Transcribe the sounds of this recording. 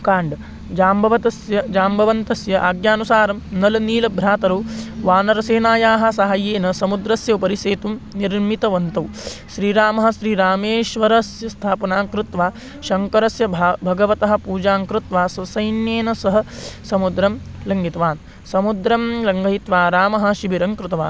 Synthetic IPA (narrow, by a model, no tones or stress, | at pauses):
kaːɳɖɐ | d͡ʒaːmbʱɐʋɐt̪ɐsjɐd͡ʒaːmbʱɐʋɐnt̪ɐsjɐʔaːɡjaːnusaːɾɐmnɐlɐniːlɐbʱɾaːt̪ɐɾɐwʋaːnɐɾɐseːnaːjaːɦɐ̆sɐɦajeːnɐsɐmud̪ɾɐsjɐwpɐɾiseːt̪umniɾmit̪ɐʋɐnt̪ɐw | ʃɾiːɾaːmɐɦɐ̆ʃɾiːɾaːmeːʃʋɐɾɐsjɐst̪ʰaːpɐnaːŋkɾɪt̪ʋaː | ʃɐŋkɐɾɐsjɐbʱɐɡɐʋɐt̪ɐɦɐ̆puːd͡ʒaːŋkɾɪt̪ʋaːsɐsɐjnjeːnɐsɐɦɐ̆sɐmud̪ɾɐm | lɐŋɡit̪ɐʋaːn | sɐmud̪ɾɐmlɐŋɡʱɐjit̪ʋaːɾaːmɐɦɐ̆ʃibiɾɐŋkɾɪt̪ɐʋa̰ːn